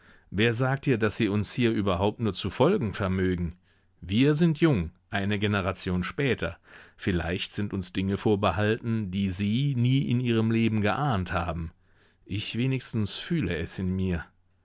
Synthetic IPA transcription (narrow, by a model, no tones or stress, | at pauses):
veːɐzaːk̚thiːɐdasz̥iːʊnshiːɐʔyːbɐɦaʊp̚tnuːɐt͡sufɔlɡŋ̩fɛɐmøːɡŋ̩ | viːɐzɪntʰjʊŋʔaɪnəɡenəʁat͡sjoːnʃpɛːtʰɐ̰fɪla̰ɪçtz̥ɪntʊnsd̥ɪŋəfoːɐbəhaltn̩diːziːniːʔɪ̰nʔiːʁ̞əmleːbm̩ɡəʔaːnthaːbm̩ | ʔɪçv̥eːnɪçstn̩sfyːləɛsɪnmiːɐ